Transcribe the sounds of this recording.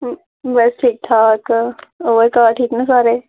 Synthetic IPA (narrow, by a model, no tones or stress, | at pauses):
bɐsʈʰiːk̚ʈʰaːkoʋekaːʈʰiːknãsaːɾeː